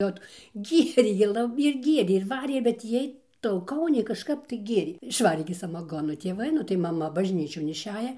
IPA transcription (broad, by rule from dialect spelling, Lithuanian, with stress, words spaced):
ˈoːt ˈɡʲiɛrʲeː ɪr ˈlˠɐ ɪr ˈɡʲiɛrʲeː ɪr ˈʋɑːrʲeː bʲɛt ˈjiɛj tɐʊˈkɐʊnʲɛɪ kɐʃˈkɐp tɐɪ ˈɡʲeːrʲeː ɪʃˈʋɑːrʲeː ɡʲɪ sɐmɐˈɡoːnoː tʲeːˈʋɐɪ nʊ tɐɪ mɐˈmɐ bɐʒʲˈnʲiːt͡ʃʲoːn ɪʃʲˈæːjɛ